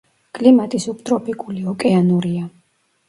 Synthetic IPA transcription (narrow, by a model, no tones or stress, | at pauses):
kʼlimat̪ʼisukʼt̪ʼɾɔpʰikʼuliɔkʼɛanuɾia